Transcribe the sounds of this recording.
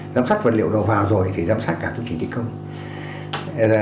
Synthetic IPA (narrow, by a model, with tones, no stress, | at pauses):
zaː˧˥msaː˦˥k̚və̰˧˨nlḭ˧˨wɗə˨˩wvaː˨˩wzo˨˩jt̪ʰi˨˩zaː˧˦msaː˦˥t̚kaː˧˩kɨ̰˧˦t͡ɕi˧˩t̪ḭ˧˨kə˧wŋ͡m